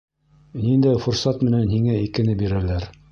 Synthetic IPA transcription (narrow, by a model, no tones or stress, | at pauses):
nind̪æjfuɾsɑt̪mɘ̆nænɦiŋæikɘ̆nɘbiɾælæɾ